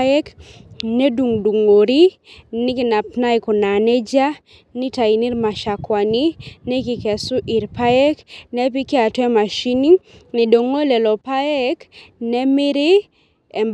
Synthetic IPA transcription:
ɛ˦kne˦du˨ŋdu˨ŋo˨ɾi˦ | nɪ˦ki˨na˨pna˦ɪ˨kɔ˨na˨nɛ˦d͡ʒa˦ | nɪ˦ta˨i˨ni˦ɾma˨ʃa˨kwa˨ni˦nɛ˦kɪ˨kɛ˨sʊ˦ʔi˨ɾpa˦ɛ˦knɛ˦p̬i˦kɪ˦a˨tɛ˦ma˨ʃi˦ni˦ŋnɪ˨do˨ŋo˦lɛ˨lɔ˨pa˦ɛ˦knɛ˦mɪ˦ɾɪ˦ | ɛ˨mb

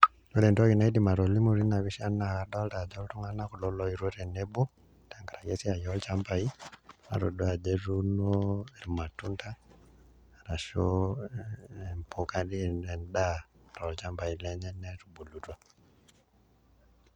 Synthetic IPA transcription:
no˦lɛ˨ntɔ˦ɣi˨na˨idi˨ma˨ɾo˨li˦mu˨ɾi˦na˨βi˦ʃa˦nadɔ˦lta˨d͡ʒɔ˦ltu˦ŋana˦ku˨lɔlɔi˨ɾwoɾɛ˨nɛbo˦ | taŋɡa˨ɾa˨je˦si˦a˨jɔlt͡ʃa˦mba˨ima̰˨ɾo˨doa˨d͡ʒe˦ɾuno˦eɾima˨tu˦nta˦ | ɾa˨ʃo | ɛmpʰu˨ka˦ɾi˦nɛ˨nda | ɾɔlt͡ʃa˦mba˨i˨lɛɲɛ˦nɛtubu˨lutwa

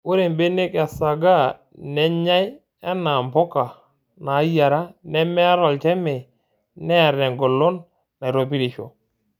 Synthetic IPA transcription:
ʊ˦ɾe˨mbe˦ne˦ka˨sa˨ɡa˦˨ | nɛ˦ɲa˦j | ɛ˦na˨mpɔ˦ka˨ | na˨˦ja˨ɾa˦nɛ˦mɛ˦a˦ɾɔ˨lt͡ʃɛ˦mɛ˨ | nɛ˦a˨ɾɛ˨ŋɡo˨lʊ˦nː | a˨ɾo˨pi˦ɾi˨ʃo̰˨

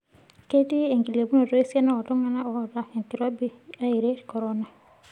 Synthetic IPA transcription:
ke˦ti˦e˨ŋki˨le˨bu˦no˨tɔ˦e˦si˦a˦na˦ɔ˨dɔ˦ŋa˦na˦ɔ˨da˨ɛ˨nti˨ɾa˦bi˦a˦i˨ɾe˦˨kɔ˨ɾɔ˦na˨

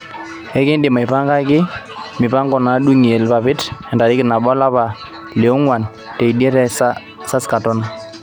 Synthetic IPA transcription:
ɛ˦kɪ˦ndɪ˨ma˨ɪ˨pa˦ŋɡa˦kɪ˦ | mɪ˨pa˦ŋɡɔ˨na˨ɗu˦ŋi˨e˨lpa˨pɪ˦tɛ˨nda˨ɾɪ˦kɪ˨na˨ɓɔ˦la˦pa˨ | le˨o˦ŋwa˨n | te˨i˨djɛ˦ɾɛ˦s | sa˦ska˨tɔ˦na˦

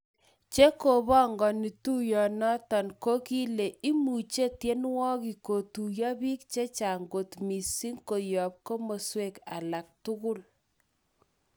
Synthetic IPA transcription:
t͡ʃe˦ko˨bɔ˦ŋɡɔ˨ni˨tu˦jɔ˨nɔ˦tɔ˨nko˦ki˦le˨i˦mu˨t͡ʃe˦tje˦nwɔ˦ki˨ko˨tu˨jɔ˦bi˦k̚t͡ʃe˦t͡ʃa˨ŋɡo˨tmi˨si˦ŋko˨jɔ˨p̚ko˦mo˨swe˦˨ka̰˨la˨k̚tʊ˦kʊ˦l

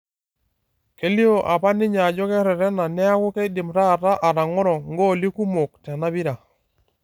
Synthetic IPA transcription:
ke˨li˦o˨ʔa˨pa˦nɪ˦ɲa˨d͡ʒɔ˦kɛ˦ɾɛ˨ɾɛ˦na˨nɛ˦a˦kʊ˦kɛ˦dɪ˨mɾa˦˨ɾa˦ʔa˨ɾa˨ŋɔ˦ɾɔ˨ŋɡo˦˨li˦ku˦mo˨k̚tɛ˨na˦bi˦ɾa˨

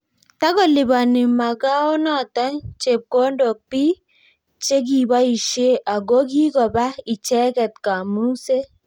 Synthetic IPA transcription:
ta˦kɔ˦lɪ˨ba˨nɪ˨ma˨ɡa˦ɔ˦nɔ˨tɔ˦ɲt͡ʃe˨p̚ko˦ndo˨k̚pi˦ | t͡ʃe˦ɡ̬i˨ba˦i˨ʃe˦ʔa˨ɡo˦ɡ̬i˦ɡɔ˨ba˦i˨t͡ʃɛ˦kɛ˨t̚ka˨mu˦se˦

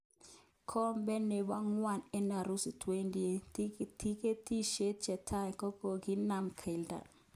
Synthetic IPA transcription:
kʰɔ˦mbɛ˦ne˨ba˦ŋwa˦˨nɛ˦na˨ɾu˦si˨tʰwe˦ndi˦e˨ti˦ke˦ti˦ʃe˦t̚t͡ʃɛ˨tʰa˦˨kɔ˦kɔ˨ɡɪ˦na˦˨mkʰe˨lda̰˨

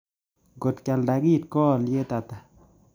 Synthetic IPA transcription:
ɡo˨tkja˨lda˨ki˦˨t̚kɔ˦˨lje˦ta˨ta˨

